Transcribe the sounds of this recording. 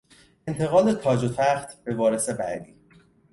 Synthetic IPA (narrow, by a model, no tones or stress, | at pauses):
e̞nt̪ʰe̞ɣɒːlet̪ʰɒːd͡ʒot̪ʰæxt̪ʰbe̞vɒːɾe̞se̞bæ̰d̪iː